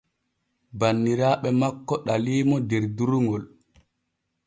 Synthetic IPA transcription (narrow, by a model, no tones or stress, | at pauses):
banːiɾaːɓɛmakːɔɗaliːmɔdɛɾduɾuŋɡɔl